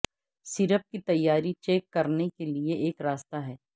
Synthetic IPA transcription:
sɪɾəp̚kit̪ɐjːaːɾit͡ʃeːkːɐɾnekelieʔeːkɾaːst̪aɦɛː

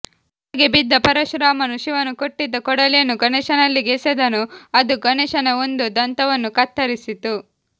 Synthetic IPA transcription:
aːɡebid̪ːɐpɐɾɐʃɾaːmɐnuʃiʋɐnːukoʈːid̪ːɐkɔɽɐlijɐnːuɡɐnɛːʃɐnɐlːiɡesed̪ɐnuɐd̪uɡɐnɛːʃɐnɐond̪ud̪ɐnt̪ɐʋɐnːukɐt̪ːɐɾisit̪u

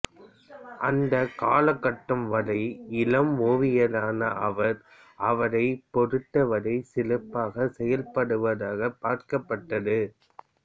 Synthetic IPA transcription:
ʔɐnd̪ɐkaːlɐkːɐʈːɯmʋɐlɐɪɪlɐmoːʋɪjɐlaːnɐʔɐʋɐɾ | ʔɐʋɐɾɐɪpɔɾɯʈːɐʋɐɾɐɪsɪlɯpːaːɣɐsɛjɐlpɐɽɯʋɐðaːɣɐpaːɾkɐpːɐʈːɐðɯ

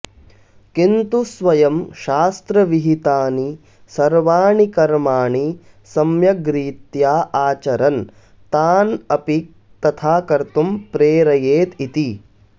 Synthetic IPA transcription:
kint̪usʋɐjɐmʃaːst̪ɾɐʋiɦit̪aːni | sɐɾʋaːɳikɐɾmaːɳi | sɐmjɐɡɾiːt̪jaːʔaːt͡ʃɐɾɐn | t̪aːnɐpi | t̪ɐt̪ʰaːkɐɾt̪umpɾeːɾɐjeːt̪it̪i

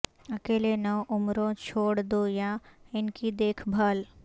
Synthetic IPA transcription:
ɐkeːlenɐʋʔʊmɾõt͡ʃʰoːɽd̪ojãɪnkid̪eːkʰbʱaːl

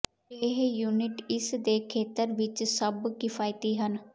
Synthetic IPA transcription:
eɦjuːnɪʈɪsd̪eːkʰeːt̪əɾʋɪt͡ʃsəbkɪfʰaːjt̪iːɦən

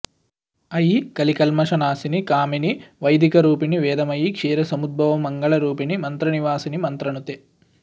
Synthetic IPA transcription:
ɐjikɐlikɐlmɐʂɐnaːsinikaːminiʋɐjd̪ʱikɐɾuːpiniʋɛːd̪ɐmɐjikʂeːɾɐsɐmud̪̚bʱɐʋɐmːɐŋɡɐɭɐɾuːpinimɐnt̪ɾɐniʋaːsinimɐnt̪ɾɐɳut̪e

